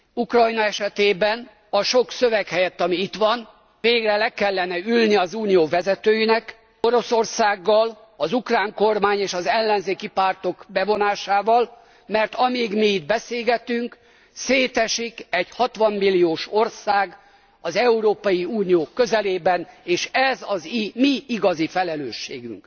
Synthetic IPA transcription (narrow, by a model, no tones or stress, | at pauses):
ukrɒjnɒɛʃɛt̪eːbɛn | ɒʃo̞ksøvɛkhɛjɛt̪ːɒmiit̪ʋɒn | veːɡrɛlɛkɛlːɛnɛylniɒzuːnijoːvɛzɛt̪øːjinɛk | o̞ɾo̞so̞rsaːɡːɒl | ɒzukraːŋko̞rmaːɲeːʃɒzɛlːɛnzeːkipaːrt̪o̞kbɛvo̞naːʃaːvɒl | mɛrt̪ɒmiːɡmiːd̪̚bɛseːlɡɛt̪yŋk | seːt̪ɛʃikɛɟhɒt̪ʋɒmːilːijoːʃo̞rsaːɡ | ɒzɛuɾoːpɒjiuːnijoːkø̞zɛleːbɛneːʃɛzɒzimiiɡɒzifɛlɛløːʃːḛːɡy̰ŋk